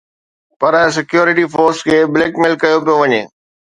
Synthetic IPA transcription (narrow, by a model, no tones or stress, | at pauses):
pɐɾs̬ɪkjoːɾɪʈifoːɾskʰeːbleːkmɪlkɐjopijoʋɐɲḛː